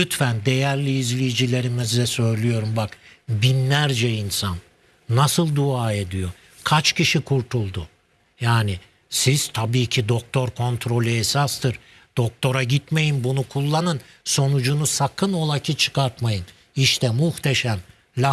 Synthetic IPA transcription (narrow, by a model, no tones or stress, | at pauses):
yt̪fænd̪e̞jæɾlʲiːzlʲijid͡ʒilʲe̞ɾimizd̪ɛsø̞jlʲyjo̞ɾumbakbinːæɾd͡ʒɛinsanː | asɯlˠd̪uaːe̞d̪ijo̞ | kʰat͡ʃcʰiʃikʰuɾt̪ʰulˠd̪u | jaːni | siz̥t̪ʰabiːcʰid̪o̞k̚t̪ʰo̞ɾkʰo̞nt̪ʰɾo̞lʲyɛsast̪ʰɯɾ | d̪̥o̞k̚t̪ʰo̞ɾaɟit̪me̞jinbunukʰulˠːanɯn | so̞nud͡ʒunusakʰɯno̞lˠacʰɯt͡ʃʰɯ̥kʰaɾt̪majɯn | iʃt̪ʰɛmuht̪ʰeʃæm | lʲa